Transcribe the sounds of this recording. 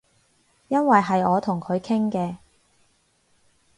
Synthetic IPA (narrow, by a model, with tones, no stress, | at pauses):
jɐ˥nwɐ˨jɦɐ˨jɔː˨˧t̪ʰʊ˨˩ŋkʰɵ˨˧ɥkʰɪ˥ŋkɛː˧